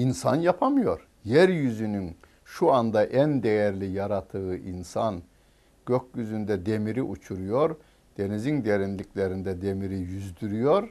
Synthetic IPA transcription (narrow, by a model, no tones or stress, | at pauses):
insa̰njapʰamɯjo̞ɾ | jæɾjyzynyn | ʃuand̪aʔænd̪ejæɾlʲijaɾat̪ʰɯɯʔinsan | ɟ̥økʲjyzynd̪ɛd̪e̞miɾiʔut͡ʃʰuɾujo̞ɾ | d̪̥e̞nizind̪e̞ɾinlʲicʰlʲe̞ɾind̪ɛd̪e̞miɾijyzd̪yɾyjo̞ɾ